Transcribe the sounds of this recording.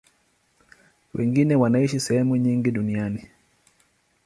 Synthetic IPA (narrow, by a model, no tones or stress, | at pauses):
wʔɛ̰ŋɡinɛwanaiʃisɛhɛmuɲiŋɡiɗuniani